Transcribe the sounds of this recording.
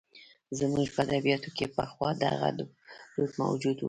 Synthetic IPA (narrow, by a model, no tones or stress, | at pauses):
zmuʒpəad̪abijɑt̪okepəxwɑd̪a̰ɣa̰d̪ | ɾut̪ma̰wd͡ʒud̪wu